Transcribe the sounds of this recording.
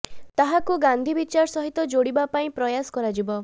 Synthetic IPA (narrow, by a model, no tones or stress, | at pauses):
t̪aɦakuɡand̪ʱibit͡ʃaɾsɔɦit̪ɔd͡ʒoɽibapaĩpɾɔjasɔ̥kɔɾad͡ʒibɔ